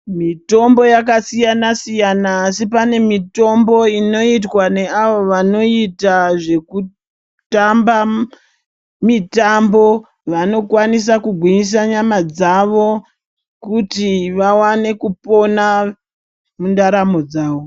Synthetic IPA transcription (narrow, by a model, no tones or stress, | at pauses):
mito̞mbo̞jakasijanasijanaːsipane̞mito̞mbo̞ino̞itwane̞aʋoʋano̞itaʐe̞ku | tamba | mitambo̞ | ʋano̞kwanisakuɡʱwiɲis̬aɲamad͡zaʋo̞ | kutiʋawane̞kupo̞na | mundaɾamo̞d͡zaːʋo